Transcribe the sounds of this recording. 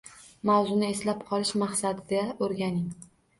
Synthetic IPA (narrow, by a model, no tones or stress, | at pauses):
mawzʊnɪe̞slap̚qʰɒlˠɪʃmaχsad̪ɪɡ̪aoɾɡʲanɪŋ